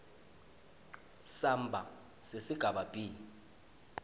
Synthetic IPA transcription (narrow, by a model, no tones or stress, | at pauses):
sambʱa | sesiɡ̥ʱaɓabʼiːli